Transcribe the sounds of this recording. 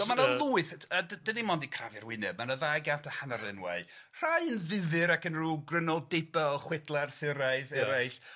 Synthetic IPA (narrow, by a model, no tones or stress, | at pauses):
ɔmanalˠuːɨθədədənimɔndikʰravɛrwɪnɨb̚manəðajɡantʰəhanarɪnwa̰ɨ | r̥ajənðɪðɨɾakənruːɡrənɔlˠdejbɛlχwɪdlˠarθɪɾaɨðɛɾajs